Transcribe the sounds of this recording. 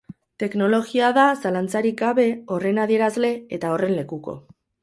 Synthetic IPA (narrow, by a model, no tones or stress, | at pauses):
t̪e̞kno̞lo̞ɣiaðasalant͡saɾiɣaβe̞o̞re̞naðie̞ɾazle̞et̪ao̞re̞nle̞kuko̞̰